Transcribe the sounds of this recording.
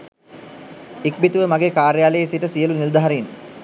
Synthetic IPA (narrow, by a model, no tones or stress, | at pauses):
ik̚bit̪uʋəmaɡeːkaːɾjaːləjesiʈəsijəlunild̪aɦaɾin